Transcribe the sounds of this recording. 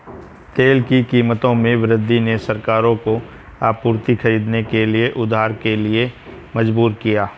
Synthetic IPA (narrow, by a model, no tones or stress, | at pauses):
t̪eːlkikiːmət̪õmẽʋɾɪd̪ʱːinesɐɾkaːɾõko | aːpuːɾt̪ixʰɐɾiːd̪nekelieʔʊd̪ʱaːɾkelie | mɐd͡ʒbuːɾkijaː